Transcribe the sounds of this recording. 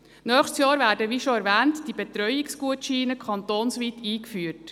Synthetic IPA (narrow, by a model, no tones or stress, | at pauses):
nœːχtsjɑːɾvæːdəʋiʃoæɾʋɛːntd̥ibet̪ɾœʏiksɡ̥uətʃiːnəkʰχɑnt̪oːnsʋiːtʰiːkfyəɾt